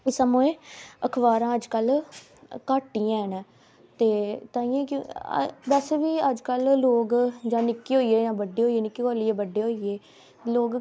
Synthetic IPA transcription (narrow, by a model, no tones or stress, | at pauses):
samũːẽːəkʰʋaːɾãːəd͡ʒkəl | kaːʈːiːãːɦənɛ̃ː | t̪eːt̪ãːĩːẽːkː | bɛsʋiːəd͡ʒkəlːoːɡd͡ʒãːnɪkːiːɦoːiːeːãːbəɖeːɦoːieːnɪkːikoːlieːbəɖeːɦoːieː | loːɡ